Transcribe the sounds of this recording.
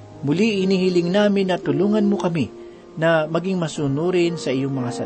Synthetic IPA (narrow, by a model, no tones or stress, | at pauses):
mʊliʔɪnihɪlɪŋnaːmɪnːɐt̪ʊluːŋɐnmokɐmi | nɐmɐɡiŋmɐsuːnuɾɪnsɐʔɪjoŋmɐŋasɐ